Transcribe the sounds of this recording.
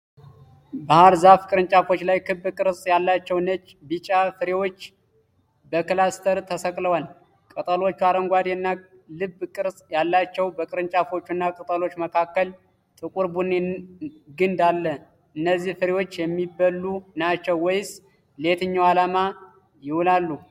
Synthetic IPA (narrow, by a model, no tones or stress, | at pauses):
bahaɾzafkʼɨɾɨnt͡ʃʼafo̞t͡ʃːlajkʰɨbːɨkʼɨɾsʼjalːat͡ʃːɛwnət͡ʃː | bit͡ʃʼafɨɾewo̞t͡ʃː | bəkɨlast̪ʰəɾt̪ʰəsəkʼləwal | kʼɨt̪ʼəlo̞t͡ʃːuaɾəŋɡʷad̪eɨnːa | lɨbːkʼɨɾsʼjalːat͡ʃːɛwbəkʼɨɾɨnt͡ʃʼafo̞t͡ʃːunːakʼɨt̪ʼəlo̞t͡ʃːməkʰakːəl | t̪ʼɨkʼuɾbune | ɡɨnd̪alːə | ɨnːəzːihfɨɾewo̞t͡ʃːjɛmːibːəlːunat͡ʃːɛwːɔjs | let̪ʰɨɲːawalama | jɪhulalːu